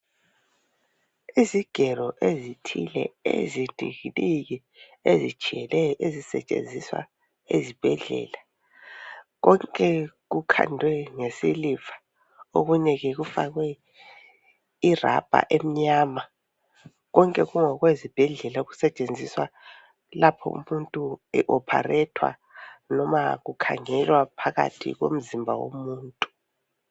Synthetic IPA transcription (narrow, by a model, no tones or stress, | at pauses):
iziɡ̥ʱɛrɔʔezitʰilɛ̰ḛzidʱḭɣiniɣi | ezi̥ʒ̥ʱiɛlɛjɔʔezisɛ̰t͡ʃʼḛnd͡zʱiswa̰ | ḛzib̥ʱɛɮɛ̰la | ɣɔŋkʼɛɣukʰa̰ndʱwɛŋesilifḁ | o̰ɣuɲɛɣɛɣufa̰ɣwɛ | ira̰b̥ʱa̰ʔem̩ɲaːma | ɣɔŋkʼɛɣuŋɔɣwezib̥ʱɛɮɛlauɣusɛt͡ʃʼend͡zʱiswa | lapʰɔ̰ṵmuntʼuɛʔɔpʰa̰rɛtʰwa̰ | nɔmaɣukʰa̰ŋɛlwapʰaɣa̰tʰḭɣo̰m̩zimbʱa̰wo̰muːntʼu̥